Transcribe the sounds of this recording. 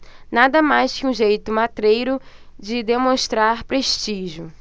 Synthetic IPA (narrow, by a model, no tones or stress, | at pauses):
nad̪ɐmajskɪũʒejt̪ʊmat̪ɾejɾʊd͡ʒɪd̪emõʃt̪ɾaɾpɾeʃt͡ʃiʒʊ